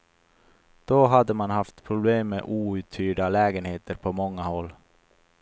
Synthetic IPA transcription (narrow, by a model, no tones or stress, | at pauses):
d̪̥ɔɦad̪ːəmanhaft̪pʰɾʊbleːmːḛʔuːʉ̟ːt̪ʰːyːɖalɛːɡənheːt̪əɾpʰɔmɔŋːahɔlː